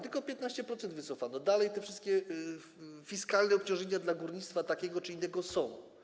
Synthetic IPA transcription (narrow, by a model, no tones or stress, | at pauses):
t̪ɘlkɔpʲjɛt̪naɕt͡ɕɛpɾɔt̪sɛnd̪vɘt̪sɔfanɔd̪alɛjt̪ɛfʂɘst̪̚kʲɛ | fʲiskalnɛɔp̚t͡ɕɔ̃w̃ʐɲeɲad̪laɡuɾɲit̪st̪fat̪akʲɛɡɔt͡ʂɘinːɛɡɔsɔ̃w̃